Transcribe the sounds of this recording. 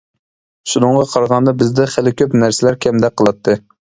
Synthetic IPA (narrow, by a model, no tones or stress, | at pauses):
ʃunɨŋʁɑqʰɑɾʁɑnd̪ɑbɪzd̪ɛχælɪkʲʰøpnæɾsɪlæɾkʲʰɛmd̪ɛk̚ʲqʰːəlˠɑt̪ʰːɨ